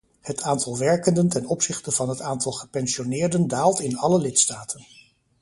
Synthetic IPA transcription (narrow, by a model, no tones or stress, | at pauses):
hətaːntɑlˠʋɛɹkəndəntɛnɔpsɪχtəv̥ɑnɦətaːntɑlˠχəpɛnsionɪːɹdəndaːlˠtɪnɑləlɪtstaːtʰən